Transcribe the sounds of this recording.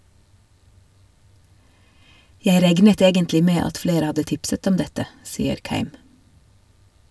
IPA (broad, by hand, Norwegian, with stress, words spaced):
ˈjæɪ ˈɾɛɡnət ˈeːɡəntlɪ ˈmeː ˈɑt ˈfleːɾə ˈhɑdə ˈtɪpsət ˈɔm ˈdɛtə ˈsiːəɾ ˈkæɪm